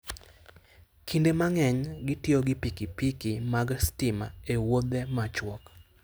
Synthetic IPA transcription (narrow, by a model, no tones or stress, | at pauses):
kʰindemaŋɛɲɡɪtjoɡɪpikipikimaɡstɪma̰ewod̪emat͡ʃwɔk